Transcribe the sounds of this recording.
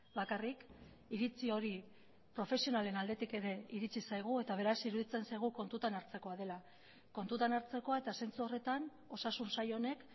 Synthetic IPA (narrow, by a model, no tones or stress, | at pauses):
bakarik | iɾit͡sio̞ɾi | pɾo̞fe̞sio̞nale̞nald̪e̞t̪ike̞ɾe̞iɾit͡sisajɣ̞ue̞t̪aβ̞e̞ɾasiɾuðit͡se̞nsajɣ̞uko̞nt̪ut̪anaɾt͡se̞ko̞aðe̞la | ko̞nt̪ut̪anaɾt͡se̞ko̞ae̞t̪ase̞nt͡suo̞re̞t̪an | o̞sasunsajo̞ne̞k